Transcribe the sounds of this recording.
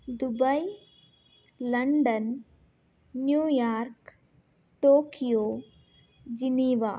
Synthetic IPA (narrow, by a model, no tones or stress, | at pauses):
d̪ubɐj | lɐɳɖɐn | juːjaːɾk | ʈoːkijoː | d͡ʒiniːʋa̰ː